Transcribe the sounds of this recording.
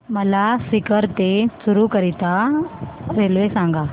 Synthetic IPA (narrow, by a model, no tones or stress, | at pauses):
məlasikəɾt̪esuɾukəɾit̪a | ɾelʋesãŋɡa